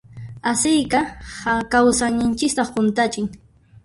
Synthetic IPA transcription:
asɪjkaakawsanɪnt͡ʃɪkt̪ɑχqʊnt̪at͡ʃɪŋ

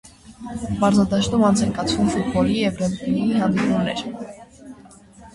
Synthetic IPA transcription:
pɑɾzɑd̪ɑʃt̪umɑnt͡sʰɛŋkɑt͡sʰvumfut̪̚bɔlijɛvrɛmt̪iiiɦɑnd̪ipunɛ̰ɾ

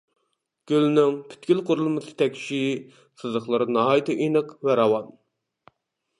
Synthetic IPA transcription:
ɡ̥ʲylnɪŋpʰy̥t̪̚kʲilˠqʰʊɾulˠmɨsɨ̥t̪ʰɛkʲʃi | sɨzəχlˠɨɾɨnɑɦɑjt̪ʰɨʔinɨqvæɾɑwɑn

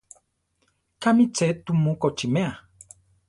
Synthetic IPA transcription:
kamit͡set̪umukot͡ʃimea

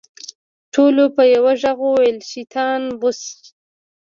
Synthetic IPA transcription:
ʈʰolopəjawaʒaɣowelʃit̪ʰɑnbʊs

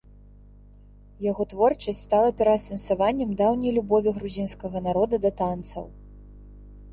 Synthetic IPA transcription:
jaɣɔt̪vɔrt͡ʂɐsʲtʲst̪alˠɐpʲɛɾɐsɐnsavanʲːɛmd̪awnʲɐjlʲubɔvʲiɣɾuzʲinskɐɣɐnaɾɔd̪ɐd̪ɐt̪ant̪sɐ̰w

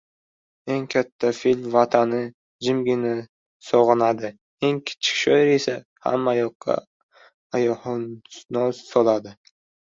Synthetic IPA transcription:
e̞ŋkʲʰat̪ʰːafilʲmvat̪ʰanɪ | d͡ʒɪmɡʲɪnɪ | sɒʁɨnad̪ɪ | e̞ŋkʲʰɪ̥t͡ʃʰɪ̥kʲʃɒjɪɾe̞sa | ha̰mːajɒqːɑ̰ | ajɒhnnɒzsɒlad̪ɪ

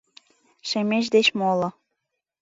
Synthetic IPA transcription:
ʃemeʃ̬d̪et͡ɕmolɤ̆

